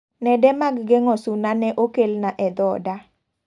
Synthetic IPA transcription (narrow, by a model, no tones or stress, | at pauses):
nɛdɛmaɡɡɛŋɔsunanɛʔokelnaʔɛd̪ɔda